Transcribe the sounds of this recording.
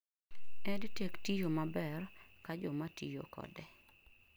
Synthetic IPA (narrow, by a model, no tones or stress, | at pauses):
ɛdtektijomabɛrkad͡ʒɔmatijo̰kɔ̰dɛ